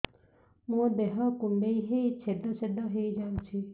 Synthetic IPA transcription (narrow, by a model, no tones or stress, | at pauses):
mũd̪eɦɔkuɳɖeiɦeit͡ʃʰed̪ɔsed̪ɔɦejd͡ʒaũt͡ʃʰi